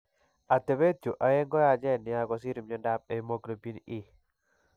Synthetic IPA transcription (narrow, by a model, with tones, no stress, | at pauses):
a˨te˨be˦tu˨ʔa˨je˦ŋɡɔ˦ja˨d͡ʒɛ˦˨nɪ˨a˦ɡɔ˨s̬i˦ɾi˨mɲɔ˦nda˦p̚e˨˦mo˦klo˨pi˦ni˦